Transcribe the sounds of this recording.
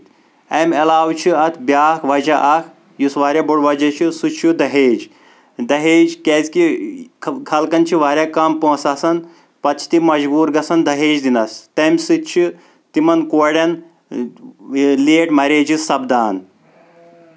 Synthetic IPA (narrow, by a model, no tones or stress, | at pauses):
ɐmɐlaːwt͡ʃʰiɐt̪ʰbʲjaːkʰʋɐd͡ʒɐʔɐkʰ | jusʋaːɾʲaboɽʋɐd͡ʒɐt͡ʃʰisut͡ʃʰud̪ɐɦeːd͡ʒ | d̪ɐɦeːd͡ʒkeːzʲki | kʰɐlkɐnt͡ʃʰiʋaːɾʲjaːkɐmpõːsaːsɐn | pɐt̪̚t͡ʃʰi̥t̪imɐd͡ʒbuːɾɡɐsɐnd̪ɐɦeːd͡ʒd̪inɐst̪ɐmʲsɨt͡ʃʰi | t̪imɐnkoːɽʲɐn | leːʈmɐɾeːd͡ʒisɐbd̪aːn